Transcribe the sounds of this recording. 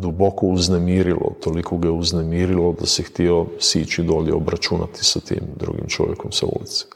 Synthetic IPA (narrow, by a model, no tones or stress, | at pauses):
d̪ubokouznemiːɾilo̰t̪olikʰoɡaeuznemiːɾilod̪asixt̪iosiːt͡ʃid̪oːʎḛobɾat͡ʃuna̰t̪i̥sat̪ḭːmd̪ɾṵɡḭmt͡ʃo̰ʋjekomsao̰ːlit̪si̥